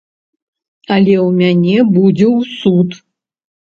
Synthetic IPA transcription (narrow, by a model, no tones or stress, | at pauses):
alʲɛwmʲanʲɛbud͡zʲɛwsut̪